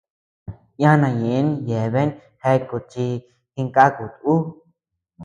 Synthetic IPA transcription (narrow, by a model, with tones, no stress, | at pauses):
jã˦nã˧˨jẽ˨˦nje˨βe˦n | he˧ku˨t͡ʃi˧ | ki˧ŋka˦ku˨t̪u˦